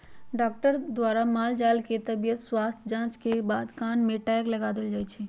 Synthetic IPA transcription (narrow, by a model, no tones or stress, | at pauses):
ɖaːkʈəɾd̪waːɾamaːld͡ʒaːlket̪ɐbijət̪swaːst̪ʰd͡ʒãːt͡ʃkebaːd̪kaːnmẽʈɛːklɐɡaːd̪ɪld͡ʒaːet͡ʃʰɛː